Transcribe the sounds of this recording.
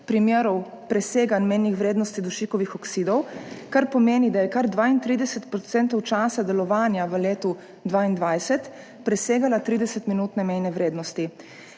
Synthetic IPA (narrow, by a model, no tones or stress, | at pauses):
pɾimjeːɾɔw | pɾɛseːɡanmɛjnixʋɾeːd̪nɔst̪id̪uʃiːkɔʋixɔksiːd̪ɔwkaɾpɔmeːnid̪ajɛkaɾd̪ʋaːint̪ɾiːd̪ɛsɛt̪pɾɔt̪sɛːnt̪ɔwt͡ʃaːsad̪ɛlɔʋaːnjaʋəleːt̪u | d̪ʋaːind̪ʋajsɛt̪ | pɾɛseːɡalat̪ɾiːd̪ɛsɛt̪minuːt̪nɛmɛjnɛʋɾeːd̪nɔst̪i